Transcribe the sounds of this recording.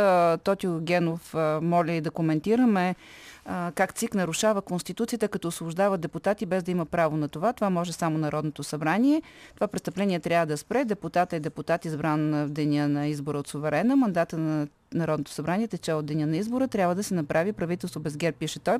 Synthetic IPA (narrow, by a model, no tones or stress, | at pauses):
t̪ɔt̪ʲiʊɡʲɛnofmɔlʲɛid̪ɐkomɛnt̪iɾəmɛ | kakt̪siknɐɾʊʃavəkonst̪it̪ut̪sijət̪əkɐt̪ɔʊsˠʊʒd̪avəd̪d̪ɛput̪at̪ibɛzd̪ɐiməpɾavonɐt̪ovat̪ovamɔʒɛsamonɐɾɔd̪not̪osɐbɾaniɛ | t̪ovapɾɛt̪st̪ɐplɛnʲiɛt̪ɾʲavəd̪ɐspɾɛd̪ɛput̪at̪əɛd̪ɛput̪at̪izbɾand̪ɛnʲənɐizboɾəot̪sʊvɛɾɛnəmɐnd̪at̪ənɐ | nɐɾɔd̪not̪o̥sɐbɾaniɛt̪ɛt͡ʃɛod̪d̪ɛnʲənɐizboɾət̪ɾʲjabvəd̪ɐsɛnɐpɾʔavipɾɐvit̪ɛlˠst̪vobɛzɡɛɾp̚pːiʃɛt̪ɔj